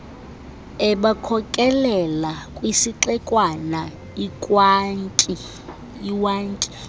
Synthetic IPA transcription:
ɛɓakʰɔkʼɛlɛlakʼwisiǁɛkʼwana | ikʼwai | iwaːnkʼi

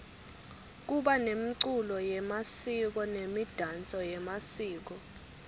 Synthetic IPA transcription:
k̬uɓanemiǀulɔjɛmasik̬ɔnemid̥ʱant͡sʼɔjɛmasiːk̬ɔ

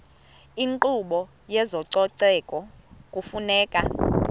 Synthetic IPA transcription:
iŋǃuɓɔ | jɛzɔǀɔǀɛkʼɔkʼufunɛːkʼa

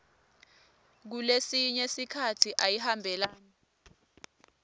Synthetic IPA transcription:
k̬ulesiɲɛsikʰatʰiʔajihambʱɛlaːna

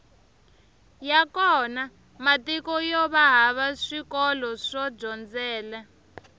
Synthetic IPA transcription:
jakɔna | matikɔjɔβaɦaβaʂikɔlɔʂɔb͡ʐɔnd͡zɛːla

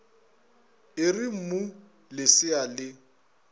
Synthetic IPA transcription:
ɪrim̩mu | lɪsɪalɪ

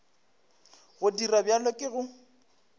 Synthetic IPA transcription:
ɣʊdirabjalɔkʼɪɣʊ

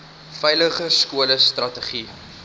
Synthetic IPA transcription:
fɛjləχəskuələstrɐtəχi

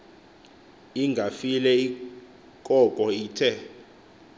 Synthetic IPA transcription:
iŋɡʱafilɛi | kʼɔkʼɔiːtʰɛ

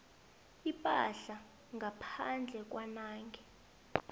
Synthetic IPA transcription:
ipʼa̰ɬa | ŋɡʱapʰand͡ɮʱɛk̬ʼwanaːŋɡʱɛ

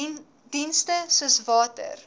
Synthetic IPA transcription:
dinstəsuəsvɑːtə̰r

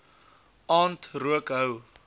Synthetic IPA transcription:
ɑːntruəkɦəw

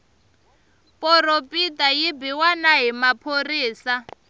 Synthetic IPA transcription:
pʼɔropʼitʼajibiwanaɦimapʰoriːsa

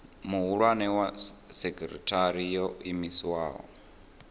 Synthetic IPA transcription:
muɦuɺwanɛwasɛkɛɾɛ̰tʰaɾijɔimisiwaːɦɔ̰

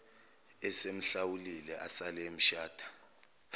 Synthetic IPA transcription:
ɛsem̩ɬawulilɛʔasalɛm̩ʃaːd̥ʱḁ

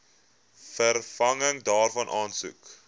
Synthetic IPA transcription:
fərfɐŋəŋdɑːrfɐnʔɑːnsṵk

